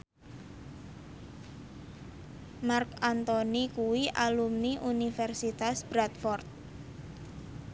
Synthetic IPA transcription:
markant̪onikuwiʔalumniʔunifɛrsit̪asb̥ɾat̪fɔrt̪̚

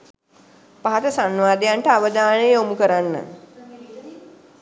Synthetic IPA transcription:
paɦat̪əsanʋaːd̪ejaɳʈəaʋəd̪aːnəjəomukəɾanːə̰

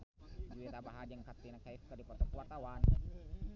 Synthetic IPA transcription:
d͡ʒuet̪abaɦad͡ʒaŋkat̪ːinakːaifkadipɔt̪ɔkuwat̪awan

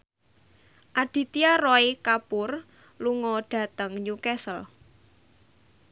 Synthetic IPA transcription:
ʔaɖ̥i̤t̪iarɔikapʊr | luŋɔɖ̥a̤t̪əŋɲukɛsəl

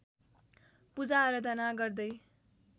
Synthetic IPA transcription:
pud͡zaːɾʌd̪ʱʌnaɡʌrd̪ʌj

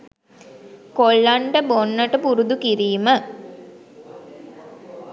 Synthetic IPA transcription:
kolːaɳɖəbonːəʈəpuɾud̪ukiɾiːmə

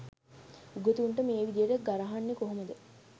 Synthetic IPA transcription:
uɡot̪uuɳʈəmeːʋid̪ijeʈəɡaɾɐɦanːikoɦomɐd̪ə

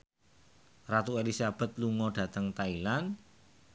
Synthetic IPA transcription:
rat̪uelisab̥ɛ̤t̪̚luŋɔɖ̥ä̤t̪əŋt̪ailan

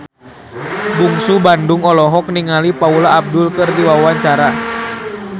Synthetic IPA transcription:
buŋsubandʊŋɔlɔɦɔk̚niŋalipaulaːb̚dʊlkɨrdiwawaɲt͡ʃaɾa

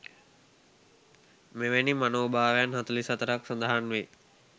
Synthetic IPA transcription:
meʋenimanoːbʱaːʋjanɦat̪ulisɐt̪əɾaksɐnd̪aɦanʋe

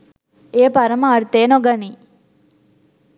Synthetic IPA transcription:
eːpɐɾɐmɐːɾt̪eːnoɡɐni

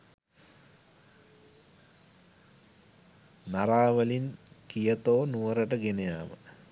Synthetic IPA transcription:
naɾaːʋəlinkijət̪oːnuʋəɾəʈəɡenejaːmə̰

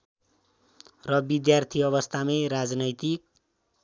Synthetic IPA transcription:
rʌbid̪jart̪ʰiʌβʌst̪ʰameɾad͡znʌjt̪ik̚

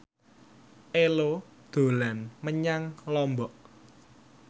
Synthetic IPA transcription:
ʔelod̪̥o̤lanməɲaŋlɔmbɔʔ

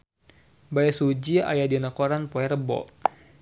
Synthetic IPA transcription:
bajasud͡ʒia̰jadinakɔɾanpɔɛɾəbɔ̰

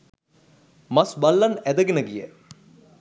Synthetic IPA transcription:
mɐsbɐlːɐnæd̪ɐɡinəɡijə̰

